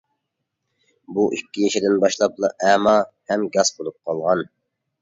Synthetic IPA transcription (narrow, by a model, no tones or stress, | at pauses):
buʔikʲːijeʃɪd̪ɪnbɑʃlˠɑplˠɑʔɛmɑ | hɛmɡɑsbolˠup̚qʰɑlˠʁɑn